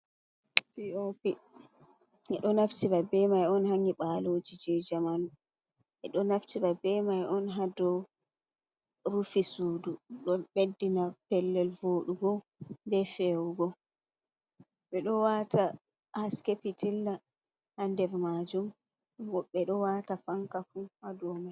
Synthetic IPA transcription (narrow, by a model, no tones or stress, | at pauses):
piopi | ɛɗɔnaftibabɛmajɔnhaɲiɓalod͡ʒid͡ʒɛd͡ʒaman | ʔɛɗɔnaftibabɛmajɔnɦadɔ | ɾufisuːduɗɔɓedːinapɛlːɛlvoːɗuɡɔ | bɛfɛwuɡɔ | ɓɛɗɔwata | askepitʰilːa | handɛvmad͡ʒum | ɔɓɛɗɔwatafaŋkafuhadɔmaj